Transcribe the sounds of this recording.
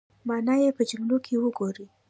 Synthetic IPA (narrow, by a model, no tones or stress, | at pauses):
mɑnɑjepəd͡ʒaŋɡlokʰewəɡoɾi